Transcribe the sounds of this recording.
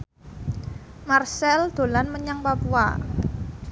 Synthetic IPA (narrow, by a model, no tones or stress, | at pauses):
marsɛld̪̥o̤lanməɲaŋpapua̰